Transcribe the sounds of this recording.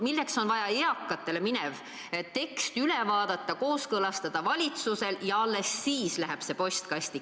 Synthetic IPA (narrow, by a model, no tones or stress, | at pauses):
milːe̞kso̞nvɑjɑeɑkːˑɑt̪ːˑe̞le̞minev | t̪e̞kst̪yle̞vɑːd̪̥ɑt̪ːˑɑko̞ːskɤlɑst̪ɑd̪̥ɑvɑlʲit̪suse̞ljɑɑlːe̞sːiːslæɦeb̥se̞po̞st̪kɑst̪i